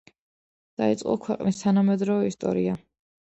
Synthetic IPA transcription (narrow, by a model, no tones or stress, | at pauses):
d̪̥ait̪sʼqʼɔ̰kʰwɛqʼnist̪ʰanamɛd̪ɾɔvɛist̪ʼɔ̰ɾia